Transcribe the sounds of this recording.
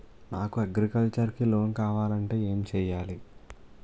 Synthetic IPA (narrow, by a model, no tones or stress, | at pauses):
naːkuɐɡɾikɐlt͡ʃɐɾkilo̞ːnkaːʋaːlɐɳʈe̞ːe̞ːmt͡ʃɛːjaːli